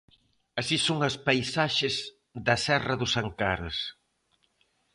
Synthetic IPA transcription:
ɐsisoŋɐspajsaʃɪz | ðɐsɛrɐðʊsaŋkaɾɐ̰s

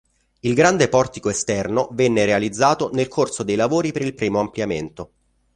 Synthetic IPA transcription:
ilɡɾand̪epɔrt̪ikoest̪ɛrnovɛnːeɾealid̪zːaːt̪onelkʰorsod̪ejlavoːɾipeɾilpɾiːmoampljament̪o

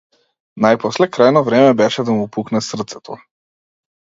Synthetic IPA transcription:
najpɔslɛkɾajnɔvɾɛmɛbɛʃɛd̪amuːpuknɛsr̩t̪sɛ̥t̪ʰɔ

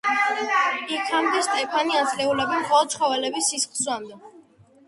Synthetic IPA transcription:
ikʰamd̪ɛʃt̪ʼɛpʰaniansʰʼlɛulɛbɛmχɔlˠɔt̪t͡ʃʰχɔvɛlɛbisisχlswamd̪ɛ

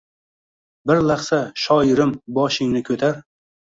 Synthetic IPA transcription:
bɪɾlaχsaʃɒɪɾɪmbɒʃɪŋnɪkʲʰɵt̪ʰaɾ

